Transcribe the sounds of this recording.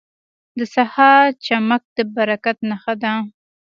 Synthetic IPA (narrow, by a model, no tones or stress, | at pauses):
d̪əsahɑt͡ʃamak̚d̪əbaɾakat̪̚naxad̪a